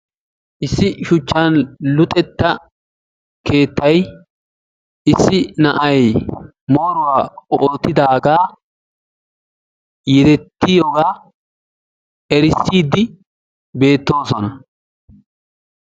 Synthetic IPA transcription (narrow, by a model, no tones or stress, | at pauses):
ʔɪsːɪʃʊt͡ʃːanlʊt̪ʼɛt̪ːɐ | ke̞ːt̪ːɐj | ʔɪsːɪnɐʔɐj | mo̞ːɾʊwaːoːt̪ːɪd̪aːɡaː | jɛd̪ɛt̪ːɪjoːɡaː | ɛɾɪsːiːd̪ːɪ | be̞ːt̪ːo̞ːsɔnɐ